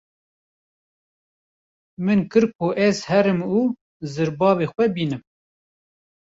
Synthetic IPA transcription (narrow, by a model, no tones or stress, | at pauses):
mɨnkɨɾkʰoʔɛzhɛɾɨmuː | zɨɾbɑːveːxwɛbiːnɨm